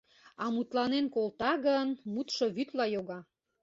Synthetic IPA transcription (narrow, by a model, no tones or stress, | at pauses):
ɑmut̪lɑnenkolt̪ɑɣənmut̪ʃoβyt̪lɑjoɣɑ